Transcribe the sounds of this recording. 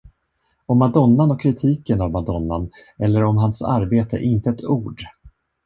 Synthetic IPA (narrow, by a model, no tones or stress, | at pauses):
ɔmːad̪ɔnːanɔkʰːɾɪt̪ʰiːkənavmad̪ɔnːan | ɛlːəɾɔmɦansa̰ɾbeːt̪ʰə̰ʔɪnt̪əɛt̪ʰuːɖ